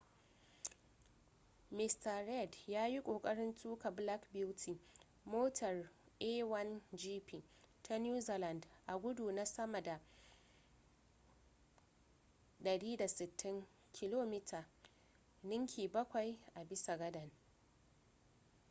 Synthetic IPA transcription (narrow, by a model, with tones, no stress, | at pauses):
mɪ˦stɐ˨ɾɛ˦˨djaː˦ji˦kʷʼoː˨kʼɐ˦ɽɪ˦ntʰuː˦ka˨bla˦kbɪ˦wtʰiː˨ | moː˦tʰɐ˨r | ʔe˦wɐ˦nd͡ʒiː˦piː˨tʰa˦njuː˦zi˨la˨ndʔa˨ɡʷʊ˦du˨na˦sɐ˦ma˨da˨ | ɗɐ˨ɽiː˦da˨sɪ˨tʰːɪ˦ŋ | kʲʰɪ˦loː˦miː˦tʰaː˨ | nɪ˦ŋkʲʰiː˨bɐ˦kʷa˨jʔa˨bɪ˦sa˨ɡɐ˦dɐ˨n